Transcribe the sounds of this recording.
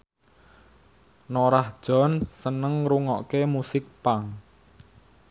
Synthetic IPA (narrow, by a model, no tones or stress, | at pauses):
noɾahd̥ʒ̥ɔ̤nsənəŋɾuŋɔʔkemusɪk̚paŋ